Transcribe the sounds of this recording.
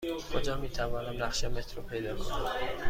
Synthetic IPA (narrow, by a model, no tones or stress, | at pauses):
kʰod͡ʒɒːmiːt̪ʰævɒːnæmnæxʃemet̪ʰɾopʰe̞jd̪ɒːkʰonæm